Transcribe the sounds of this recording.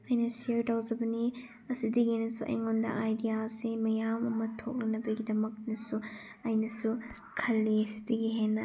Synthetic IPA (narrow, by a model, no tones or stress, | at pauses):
ɐjnɐsiɐɾtawzɐbɐni | ɐsidɐɡinɐsuʔḛŋondɐ̰ʔajdijasemɐjamɐmɐtʰok̚lɐnɐbɐɡidɐmɐk̚nɐsu | ɐjnɐsu | kʰɐlːiɐsi̥dɐɡiɦenːɐ